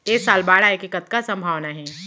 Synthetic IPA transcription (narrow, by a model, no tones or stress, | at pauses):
eːksaːlbaːɽaekikət̪kasɐ̃mbʱaːʋnaɦɛː